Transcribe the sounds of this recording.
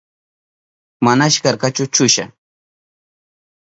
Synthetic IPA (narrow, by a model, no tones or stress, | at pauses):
manaʃkaɾkat͡ʃʊt͡ʃʊʃa̰